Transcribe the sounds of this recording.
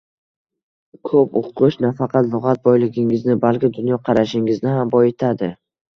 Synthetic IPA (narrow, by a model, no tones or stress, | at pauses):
kʰopoqʰːɨʃnafɑqʰɑt̪lˠʊʁɑt̪̚bɒjlˠɪɡʲɪŋɪznɪbalkʲɪd̪ʊnjɒqʰɑɾaʃɪŋɪznɪɦambɒjet̪ʰad̪ɪ